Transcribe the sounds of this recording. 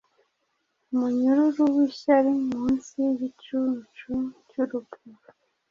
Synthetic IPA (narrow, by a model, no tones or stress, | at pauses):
umuɲuɾuɾuwiːʃaɾimuːnsiɟit͡ʃut͡ʃucuɾubuɾ